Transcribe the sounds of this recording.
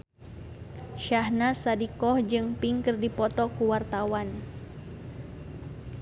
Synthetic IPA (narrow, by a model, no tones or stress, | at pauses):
ʃahnasadikɔhd͡ʒɨŋpiŋkɨrdipɔt̪ɔkuwart̪awan